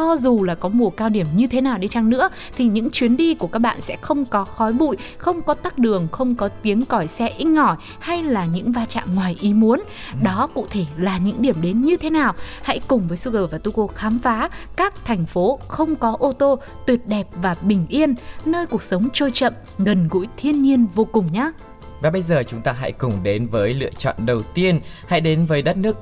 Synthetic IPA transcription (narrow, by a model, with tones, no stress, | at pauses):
ɔ˧zu˨˩laː˨˩kɔ˨˦mu˨˩əkaː˧wɗi˧˩əmɲɨ˧t̪ʰe˨˦naː˨˩wɗe˨˧nt͡ɕa˧ŋnɨ̰˧˥ə | t̪ʰi˨˩ɲɨ̰˧˥ŋt͡ɕwi˨˦ənɗi˧ku˧˩kaː˦˥k̚ɓa̰ː˧˨nsɛ̰˧˥xə˧wŋ͡mkɔ˨˦xɔ˨˦jɓṵ˧˨jxə˧wŋ͡mkɔ˨˦t̪aː˦˥k̚ɗɨ˨˩əŋxə˧wŋ͡mkɔ˨˦t̪i˨˦ənkɔ˧˩jsɛ˧ʔi˧ŋ̟ːɔ˧˩j | ha˧jlaː˨˩ɲɨ̰˧˥ŋvaː˧t͡ɕa̰ː˧˨mŋwaː˨˩jʔi˨˦mu˨˦ən | ɗɔ˨˦kṵ˧˨t̪ʰe˧˩laː˨˩ɲɨ̰˧˥ŋɗi˧˩əmɗe˨˦nɲɨ˧t̪ʰe˨˦naː˨˩wha̰˧˥jkʊ˨˩ŋ͡mvəː˨˦jsu˧ɣəː˨˩wvaː˨˩t̪u˧ko˧xaː˨˦mfaː˨˦kaː˦˥k̚t̪ʰɛ˨˩ŋ̟fo˨˦xə˧wŋ͡mkɔ˨˦ʔo˧t̪o˧ | t̪wi˨˩ət̚ɗɛ˨˩p̚vaː˨˩ɓï˨˩ŋ̟ʔi˧ənːəː˧jku˨˩ək̚sə˨˦wŋ͡mt͡ɕo˧jt͡ɕə̰˧˨m | ɣə˨˩nɣṵ˧˥jt̪ʰi˧ənːi˧ənvo˧kʊ˨˩ŋ͡mɲaː˧ | vaː˨˩ɓə˧jzəː˨˩t͡ɕʊ˨˦ŋ͡mt̪aː˧ɦa̰˧˥jkʊ˨˩ŋ͡mɗe˨˦nvəː˨˦jlɨ̰˧˨ət͡ɕɔ̰˧˨nɗə˨˩wt̪i˧ənha̰˧˥jɗe˨˦nvəː˨˦jɗə˦˥t̚nɨ˦˥ək̚